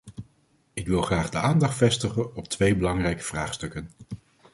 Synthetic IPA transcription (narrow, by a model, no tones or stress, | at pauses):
ɪkʋɪlˠχraːχdəaːndɑχtfɛstəχənɔp̚tʋejbəlɑŋrɛjkə̥v̥raːχstɵkən